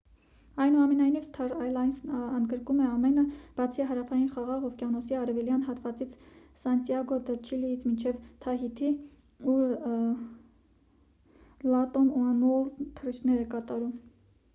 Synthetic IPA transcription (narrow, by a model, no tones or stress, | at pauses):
ɑjnuɑmɛnɑjnivst̪ʰɑɾɑjlɑjnsənɡəɾkumɛɑmɛnəb̥ɑt͡sʰiɦɑɾɑfɑjinχɑʁɑʁɔvkjɑnɔsiɑɾɛvɛljɑnɦɑt̪vɑt͡sit͡sʰsɑnt̪jɑɡɔd̪ət͡ʃʰilijit͡sʰmint͡ʃʰɛvt̪ʰɑɦit̪ʰi | u | lɑt̪ɔnuɑnult̪ʰərit͡ʃʰnɛɾɛkɑt̪ɑɾum